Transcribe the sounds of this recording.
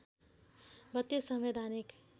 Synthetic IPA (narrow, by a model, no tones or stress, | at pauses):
bʌt̪ːjesʌmʋed̪ʱanik